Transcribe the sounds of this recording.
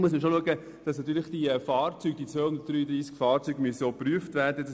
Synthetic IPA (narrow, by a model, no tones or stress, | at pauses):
muəsməʃoluəɡə | d̥ɑsnɑt̪ːyːɾlɪχd̥ifɑːrt͡syːɡ̥̚d̥it͡sʋœːhʊndət̚d̥ɾyːd̪ɾiːskfɑːrt͡syːɡmysəopryəftvæːrdədɑ